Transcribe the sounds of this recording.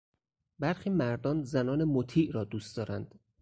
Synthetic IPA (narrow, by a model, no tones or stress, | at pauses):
bæɾxiːmæɾd̪ɒːnzænɒːnemot̪ʰiːʔɾɒːd̪uːst̪d̪ɒːɾænd̪̥